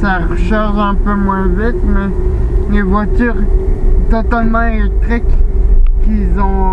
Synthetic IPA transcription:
saʁəʃaʁʒɛ̃pømwɛ̃vit̪mɛ | levwat̪yʁt̪ɔt̪almɑ̃elɛk̚t̪χikkilzɔ̃

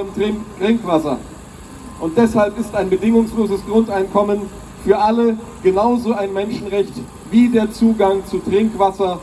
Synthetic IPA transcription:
mʁ̥ɪŋkv̥asɐ̰ | ʔʊnt̚d̥ɛshalpɪstaɪnbədɪŋʊŋsloːzəsɡ̥ʁʊntaɪnkʰɔmən | fyːɐʔalə | ɡ̥ənaʊzoaɪnmɛnʃn̩ʁɛçt | viːdeːɐt͡suːɡaŋt͡sutʁ̥ɪŋkv̥asɐ

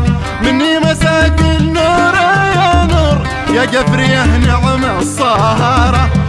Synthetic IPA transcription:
mɪnːimasaːkɪnuːɾˤajanuːɾ | jaɡafɾijahnaʕamʕsˤːɑɦɑːɾˤɑ

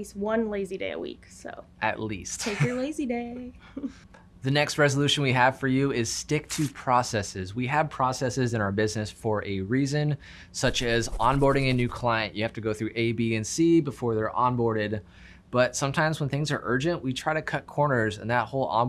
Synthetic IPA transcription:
ist̚wʌ̃nleɪzideɪə̰wḭkso̰ʊʔɨ̰ʔˡlḭstʰeɪjə˞leɪzideɪ | ðɨnɛkst̚ɹɛzəlʉʃɨ̃n̩wiəv̥fə˞jʉɪz̥stɪk̚tʰɨpʰɹ̥ɔsɛsɪzwiɨv̥pʰɹ̥ɔsɛsɨzɨ̃ñaʊə˞bɪznɨsfə˞ʔɨɹizɨ̃n | sʌt͡ʃɨzʔɑ̃nbɔɹɾɪ̃ŋɨnʉkʰl̥aɪɨ̃nʔjʔɨhæftɨɡoʊθɹʉʔeɪbiɨ̃nsibəfɔɹðə˞ʔɑ̃nbɔɹɾɪd̚ | b̥ʌtsʌ̃mtʰãɪ̃mzwə̃nθɪ̃ŋzə˞ʔɜ˞d͡ʒɨ̃nʔwitʰɹ̥aɪɾɨkʰʌt̚kʰɔɹnə˞zɨ̰̃nðət̚hoʊlˠɑ̰̃

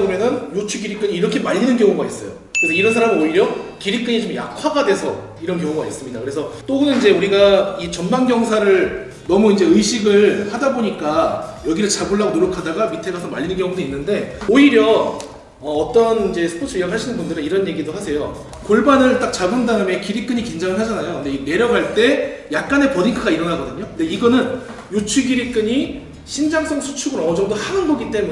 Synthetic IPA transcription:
bomjʌnɯnjot͡ɕʰuɡiɾik͈ɯɲiːɾʌkʰe̞maʎːinɯnɡjʌŋuɡais͈ʌjo̰ | kkɯɾesʰʌiɾʌnsʰaɾamɯɾoiɾjʌkiɾik͈̚ɯɲit͡ɕimja̰kʰwaɡadwe̞sʰʌ | iɾʌnkjʌŋuɡa̰is͈ɯmɲidakɯɾe̞sʰʌt͈oɡɯnɯnind͡ʑe̞uɾiɡait͡ɕʌnmaŋɡjʌŋsʰaɾɯɭ | nʌmuind͡ʑe̞ɯɕʰiɡɯɭpadaboɲik͈ajʌɡiɾɯɭt͡ɕabuɭːaɡonoɾʌkʰadaɡamitʰe̞ɡasʰʌmaʎːinɯnkjʌŋudoinːɯnde̞oiɾjʌ | ʌːt͈ʌnind͡ʑe̞sʰɯ̥pʰot͡ɕʰɯijʌkɦʰaɭɕʰinɯnbundɯɾɯniɾʌnje̞ɡidohasʰe̞jo | koɭbanɯɭt͈ak̚t͡ɕabɯndaɯmekiɾik͈ɯɲikind͡ʑaŋɯɭɦad͡ʑanajondeine̞ɾjʌɡɦaɭt͈e̞jak̚k͈ane̞pʌdikʰaɡaiɾʌnaɡʌdɯɲokɯnde̞iɡʌnɯn | jot͡ɕʰuɡiɾik͈ɯɲi | ɕʰind͡ʑaŋs͈ʌŋsʰu̥t͡ɕʰuɡɯɾʌd͡ʑʌŋdohanɯnɡʌɡit͈e̞mu

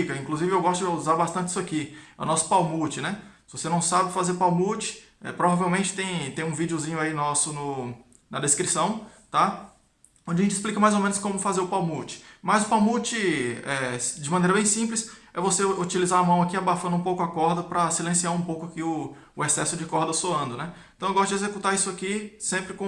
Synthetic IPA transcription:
ikɐĩkluzivɪewɡɔst̪ʊd͡ʒɪuzaɾbast̪ɐ̃t͡ʃɪisʊakiɛʊ̰nɔsʊ̥pawmut͡ʃɪnɛsɪvosenɐ̃w̃sabɪfazeɾʊpawmut͡ʃɪ̥ | ɛ̰pɾovavewmẽnt͡ʃɪ̥t̪ẽj̃t̪ẽj̃ũvid͡ʒʊzĩɲʊainɔsʊnʊ | nɐd̪eskɾisɐ̃w̃t̪a | õd͡ʒɪɐʒẽt͡ʃɪsplikɐmajzomẽnʊskõmʊfazeɾʊpawmut͡ʃɪ̥mɐzʊpawmut͡ʃɪɛd͡ʒɪmɐ̃nejɾɐbẽj̃sĩplɪsɛvoseut͡ʃilizaɾamɐ̃w̃akiabafɐ̃nd̪ũpowkʊɐkɔɾd̪ɐpɾɐsilẽsiaɾũpowkʊakɪʊ | ʊesɛsʊd͡ʒɪkɔɾd̪ɐsoɐ̃nd̪ʊnɛẽt̪ɐ̃w̃ewɡɔst̪ʊd͡ʒezekut̪aisʊakisẽmpɾɪkõ

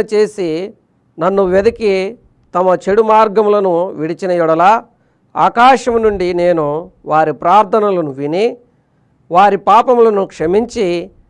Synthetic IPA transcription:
ɐt͡ʃe̞ːsi | nɐnːuʋed̪ɐki | t̪ɐmɐt͡ʃeɽumaːɾɡɐmlɐnuʋiɽit͡ʃinɐjuɽɐla | a̰ːkaːʂɐmnuɳɖine̞ːnuʋaːɾipɾaːɾt̪ʰɐnɐlɐnuʋini | ʋaːɾipaːpɐmlɐnukʂɐmiɲt͡ʃi

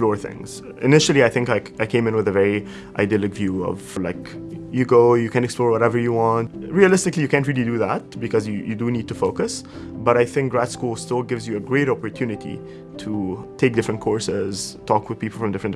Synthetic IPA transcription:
splɔɹθɪ̰̃ŋz̥ | ɨnɪʃəl̩ˠiaɪθɪ̃ŋkaɪ | aɪkʰẽɪ̃mɨ̃nwɨðəvɛɹi | ʔaɪdilˠɨkvjʉʌ̰vlaɪkjɨɡoʊjɨkʰæ̃ntɛksplɔːɹwʌɾɛvə˞jɨwɑ̃ntɹiəlɪstɨklijɨkʰæ̃ntɹilˠidɨðæt̚bɨkʰʌzjɨjɨ̰dɨnid̚tufoʊkɨs | bʌɾaɪθɪ̃ŋk̚ɡɹætskulˠstɪlˠɡɪvzjɨəɡɹeɪɾɑpɔɹtʰjʉnɨtḭ | tʰutʰeɪk̚dɪfɹə̃ntkʰɔɹsɪz̥tʰɔkwɨð̥pipl̩ˠfɹʌ̃mdɪfɹə̃nt

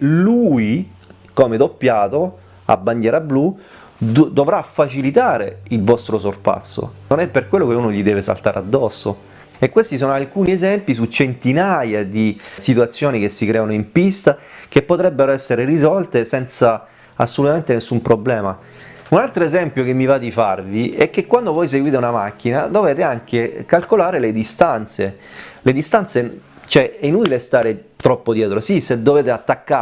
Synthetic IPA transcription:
lui | komed̪opːjaːt̪o | a̰bːand̪jɛːɾablu | d̪ovɾafːat͡ʃilit̪aːɾeilvɔst̪ɾosorpa̰sːo̰nonɛpːerkwelːokeunoʎid̪ɛːvesa̰lt̪aːɾḛa̰d̪ːɔsːo̰ | ekːwest̪is̬oːnoalkuːniezɛmpis̬ut͡ʃent̪inajad̪isit̪uat̪sːjoːnik̟esːikɾɛːanoimpist̪ak̟epːot̪ɾɛbːeɾoɛsːeɾerizɔlt̪esɛnt̪sa | asːolut̪ament̪enesːumpɾoblɛːma | unalt̪ɾoezɛmpjokemːivad̪ifarviɛk̟ːekːwand̪ovɔjs̬eɡwiːt̪eunamak̟ːinad̪oveːt̪eaŋk̟ekalkolaːɾeled̪ist̪ant̪seled̪ist̪ant̪se | t͡ʃɛɛinuːt̪ilest̪aːɾet̪ɾɔpːod̪jɛːt̪ɾosised̪ːoveːt̪eat̪ːakːa

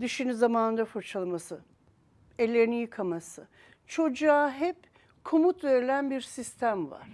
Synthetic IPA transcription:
d̪ɯʃinizamaːnɯnd̪afuɾt͡ʃʰalˠamasɯ | elʲːeɾinijɯkʰamasɯ | t͡ʃʰo̞d͡ʒaɦɛp | kʰomut̪ve̞ɾilʲænbiɾsist̪ʰæmva̰ɾ̥

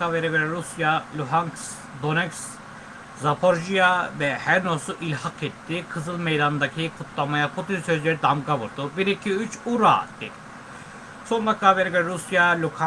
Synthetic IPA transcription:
aveɾiɡeɾɛɾusjalʲuɦaŋks | d̪o̞nɛks | zapʰoɾʒijavɛhæɾnosuʔilʲhakʰɛt̪ːikʰɯzɯlˠmejd̪and̪acʰikʰut̪ʰlˠamajapʰut̪insø̞zlʲeɾid̪amɡavuɾd̪ubiɾicʰiyt͡ʃuɾa̰ːd̪̥ed̪i | so̞nb̪akʰːaveɾɛɡeɾɾusjalʲukʰa

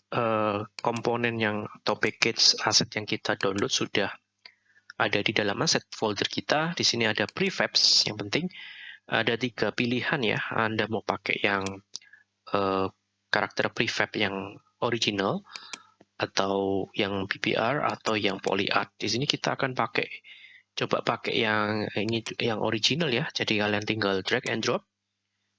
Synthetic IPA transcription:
ʔəkɔmponɛnjaŋat̪awpɛkɛsasɛt̪̚jaŋkit̪adonlʊt̪̚sudah | ʔadadidalamasɛt̪̚foldərkit̪adisiniadapɾifɛp̚sja̰ŋpənt̪ɪŋʔa̰dat̪iɡapilihanja̰a̰ndamaupakɛ̰jaŋ | ʔə | kaɾak̚t̪ərpɾifɛpjaŋ | oɾid͡ʒinal | ʔat̪awjaŋpipḭʔa̰ra̰t̪awjaŋpo̰lḭʔa̰rt̪̚disinikit̪aːkanpakɛ̰ʔt͡ʃoba̰ʔpakɛ̰ʔjaŋinijaŋʔo̰ɾid͡ʒinaljad͡ʒadikaliant̪iŋɡaldɾɛkɛndɾɔp̚

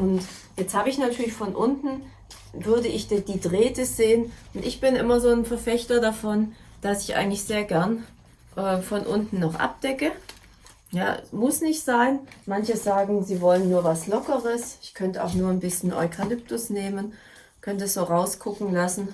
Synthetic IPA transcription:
ʔʊnt | jɛt͡sthaːbəɪçnatʰyːɐlɪçfɔnʔʊntn̩ | vʏɐdəʔɪçd̥d̥iːdʁeːtəz̥eːənʔʊntʔɪçb̥ɪnʔɪmɐzoːnfɛɐfɛçtɐdafɔnd̥asɪ̥çʔa̰ɪɡŋ̩tlɪçz̥eːɐɡɛɐn | ʔɛːfɔnʔʊntn̩ːɔχʔa̰p̚d̥ɛkə | ja̰ːmʊsnɪçtz̥aɪnmançəzaːɡŋ̩ziːvɔlənːuːɐvaslɔkəʁəsɪçkʰœntəa̰ʊxnuːɐnbɪsçənʔɔ̰ʏkʰalʏp̚tʊsneːmən | kʰœntɛsz̥oːʁaʊskʰʊkŋ̩lasn̩

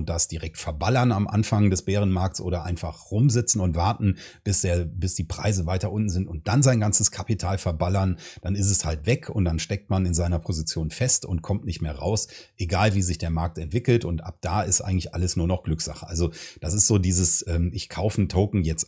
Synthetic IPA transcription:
ʊnt̚d̥asd̥iʁɛk̚tfɛɐbalɐnamʔa̰nfaŋdɛsb̥eːʁ̞ənmaɐk̚t͡sʔo̰ːɾɐʔa̰ɪnfaχʁʊmzɪt͡sn̩ʊntv̥aɐtn̩b̥ɪsd̥eːɐbɪsd̥iːpʁ̥a̰ɪzəvaɪtɐʔʊntn̩zɪntʊnt̚d̥anzaɪnɡant͡səskʰapitʰaːlfɛɐbalɐnd̥anɪs̬tɛshaltv̥ɛkʰʊ̰nt̚d̥anʃtɛk̚tmanɪnzaɪnɐpʰozit͡sjoːnfɛstʊntkʰɔmtnɪçtmeːɐʁa̰ʊsʔeɡaːlviːzɪçd̥eːɐmaɐk̚tɛntv̥ɪkl̩tʊntʔa̰p̚d̥aːɪstʔa̰ɪɡŋ̩tlɪçʔaləsnuːɐnɔχɡ̥lʏkz̥a̰χəʔalzod̥asɪstz̥oːdiːzəsʔɛːmɪçkʰaʊfən̩tʰoʊkŋ̩jɛt͡st

